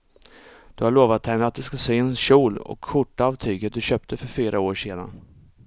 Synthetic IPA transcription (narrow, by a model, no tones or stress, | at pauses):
d̪̥ɵhaɭoːvat̪hɛnːəat̪̚d̪ɵskaseːɛnɕuːlɔ̰kʰːʊʈːaaɑːvt̪ʰyːɡət̪̚d̪ɵɕøːp̚t̪ʰəfœɾfyːɾʔaoːʂeːd̪a̰n